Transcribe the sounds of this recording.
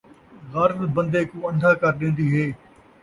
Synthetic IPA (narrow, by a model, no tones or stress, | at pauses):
ɣaːɾət̪bə̃nd̪eːkũːə̃nd̪ʱaːkəɾɗẽːnd̪iːɦeː